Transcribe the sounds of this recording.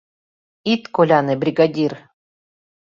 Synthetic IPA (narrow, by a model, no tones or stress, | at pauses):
it̪kolʲanɘbɾʲiɡadʲir